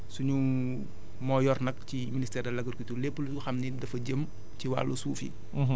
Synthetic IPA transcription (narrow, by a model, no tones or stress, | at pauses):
suɲu | mɔːjɔrnɐk̚ciministɛːrdɐlɐɡɐɾkutulɛpolisɡuxɐmnidɐfɐɟəm | ciwa̰ːlːusuːfḭ